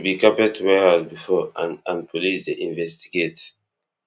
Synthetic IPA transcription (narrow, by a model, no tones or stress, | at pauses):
bikapɛtʰuwɛhazbifɔãnãnpɔlisdeʔĩnvɛstiɡet